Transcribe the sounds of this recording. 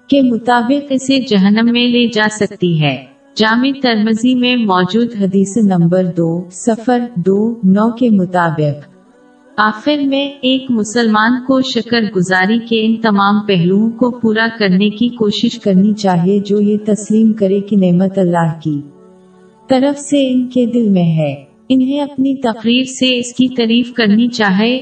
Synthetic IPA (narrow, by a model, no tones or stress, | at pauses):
kemʊt̪aːbɪqɪsed͡ʒɐɦənːəmːẽled͡ʒaːsɐk̚t̪iɦɛː | d͡ʒaːmet̪ɐɾməzimẽmɔːd͡ʒuːd̪ɦɐd̪iːsnɐ̃mbəɾd̪oːsɐfəɾd̪oːnɔːkemʊt̪aːbɪq | aːxɪɾmẽeːkmʊsəlmaːnkoʃɐkəɾɡʊzaːɾikeɪnt̪ɐmaːmpɛɦluõkopuːɾakɐɾnekikoːʃɪʃkɐɾnit͡ʃaːɦied͡ʒoːjet̪ɐsliːmkɐɾekineːmət̪ɐlːaːɦkiː | t̪ɐɾəfseɪnked̪ɪlmẽɦɛː | ɪnɦẽɐpnit̪ɐqɾiːɾseɪskit̪ɐɾiːfkɐɾnit͡ʃaːɦe